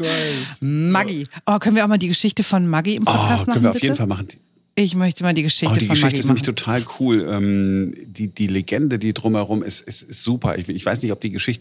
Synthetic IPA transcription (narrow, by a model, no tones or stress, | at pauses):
amaɡiʔoːkʰœnviːɐaʊxmaːldiːɡəʃɪçtəfɔnmaɡiɪmpɔt̚ːkasʰmœanvːɐaʊ̥ɪfeːdn̩falmaχn̩d | ʔɪçmœçtəmaːldiːɡəʃɪçɔːtəd̥iːɡəʃɪçtəɪstnɛmɪtʰotʰaːlkʰuːlʔɛːmd̥iːd̥iːleɡɛndədiːdʁʊmhɛʁʊmɪstɪstɪstz̥uːpʰɐ̰ʔɪ̰çɪçv̥aɪsnɪçtɔp̚d̥iːɡəʃɪçtə